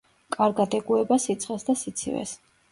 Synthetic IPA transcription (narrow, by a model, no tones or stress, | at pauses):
kʼaɾɡad̪ɛɡuɛbasit̪sʰχʼɛsd̪asit̪sʰḭvɛ̰s